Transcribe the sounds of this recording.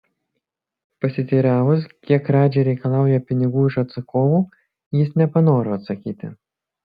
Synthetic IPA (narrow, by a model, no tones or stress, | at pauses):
pɐsʲɪt̪ʲiːɾʲæːʋʊskʲiɛkːɾɑːd͡ʒʲɛɪɾʲɛɪkɐlˠɑˑʊjɛpʲɪnʲɪɡuːɪʃɐt̪sɐkoːʋuː | jɪsnʲɛpɐnoːɾoːɐt̪sɐkʲiːt̪ʲɪ̰